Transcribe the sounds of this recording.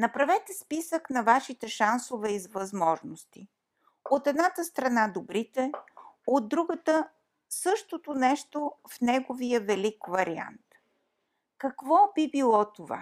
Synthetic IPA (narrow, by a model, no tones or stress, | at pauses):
nɐpɾɐvɛt̪ɛspisəknɐvaʃit̪ɛʃansovɛizvɐzmɔʒnost̪i | ot̪ɛd̪nat̪əst̪ɾɐnad̪obɾit̪ɛod̪ːɾuɡət̪ə | sɤʃt̪ot̪onɛʃt̪ofnɛɡovijəvɛlikvɐɾia̰nt̪ | kɐkvɔbibilˠɔt̪ova̰